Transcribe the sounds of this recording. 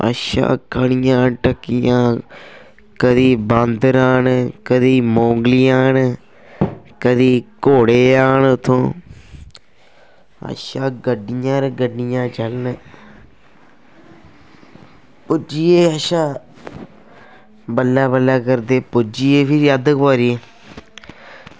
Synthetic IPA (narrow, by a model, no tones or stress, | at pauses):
ə̰ʃa̰ːkəɳɪjãːʈəkːɪjãː | kəd̪iːbə̃nd̪ɾaːnkəd̪iːmõːŋɡlɪjãːn | kəd̪iːkoːɽeːaːnʊt̪ʰːõː | ə̰ʃaːɡəɖɪjãːɾɡəɖɪjãːt͡ʃəln | pʊd͡ʒiːeːəʃaː | bəlːaːbəlːaːkəɾd̪eːpʊd͡ʒiːeːpʰɪɾad̪kpoːɾiːeː